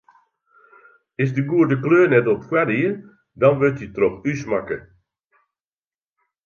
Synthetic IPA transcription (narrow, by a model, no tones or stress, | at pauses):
ɪsdəɡuədəkløːnɛtɔpkwɛdiər | dɑnʋɪltitrɔxysmakə